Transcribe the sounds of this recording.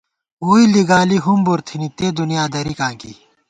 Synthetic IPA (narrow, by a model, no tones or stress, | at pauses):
uːiliɡaːliɦumbuɾt̪ʰinit̪eːd̪unijaːd̪ɐɾikãːŋkḭ